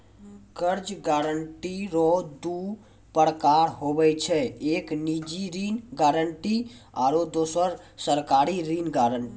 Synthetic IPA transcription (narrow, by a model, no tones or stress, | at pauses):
kəɾd͡ʒɡaɾəɳʈiɾod̪u | pəɾkaɾɦobɛt͡ʃʰɛeknid͡ʒiɾinɡaːɾəɳʈia̰ːɾod̪osəɾsəɾkaɾiɾinɡaːɾəɳʈi